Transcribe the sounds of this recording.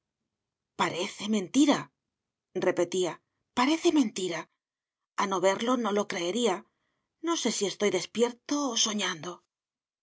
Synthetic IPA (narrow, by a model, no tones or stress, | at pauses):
paɾe̞θe̞mẽ̞nt̪iɾa | re̞pe̞t̪ia | paɾe̞θe̞mẽ̞nt̪iɾa | ano̞βe̞ɾlo̞no̞lo̞kɾe̞ːɾia | no̞se̞sie̞st̪o̞jðe̞spje̞ɾt̪o̞ːso̞ɲãnd̪o̞